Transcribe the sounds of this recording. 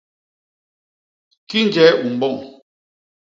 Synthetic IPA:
ki˦n˦d͡ʒɛː˨˦u˨m̩˨bɔ˦˨ŋ

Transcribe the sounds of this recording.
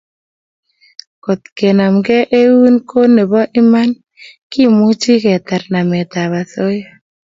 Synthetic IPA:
ko˨t̪ke˨na˨mɡɛ˦ʔe˦wu˦nko˦ne˨bɔ˦ʔɪ˦ma˦n | ki˦mu˦t͡ʃi˦kɛ˨t̪a˨ɾna˨mɛ˨t̪a˨βa˨so˦jɔ˦

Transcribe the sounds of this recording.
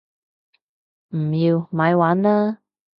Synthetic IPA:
m̩˨˩ji˧wma˨˧˥jwaː˨˥nlaː˥

